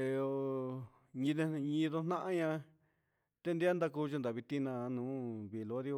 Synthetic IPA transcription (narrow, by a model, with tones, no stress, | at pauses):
e˧o˧ | ɲĩ˧ðe˧ɲĩ˧ðo˧nã˦ʔa˧ɲã˧ | t̪e˧nd̪i˦a˦nd̪a˧ku˧t͡ʃa˧nd̪a˨βi˧t̪ĩ˦nã˧nũː˨˦βi˧˨lo˧˦ði˧o˧